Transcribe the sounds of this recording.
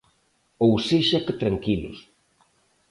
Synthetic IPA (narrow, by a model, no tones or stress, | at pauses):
owseʃakɪt̪ɾaŋkilʊ̰s